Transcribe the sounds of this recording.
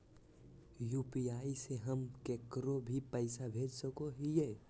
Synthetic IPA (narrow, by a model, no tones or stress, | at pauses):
juːpiaːiseɦəmkekɾobʱipəɪsabʱeːd͡ʒsəkoɦijeː